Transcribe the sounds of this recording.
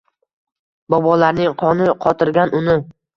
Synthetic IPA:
bɒbɒlaɾnɪŋqʰɒnɪqʰɒt̪ʰɪɾɡʲanʊnɪ

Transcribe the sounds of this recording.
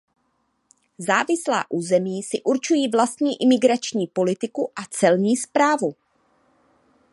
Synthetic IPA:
zaːvɪsla̰ːʔuːzɛmiːsɪʔuɾt͡ʃujiːvlast̪ɲiːʔɪmɪɡɾat͡ʃɲiːpo̞lɪt̪ɪkuʔat͡sɛlɲiːspɾaːvu

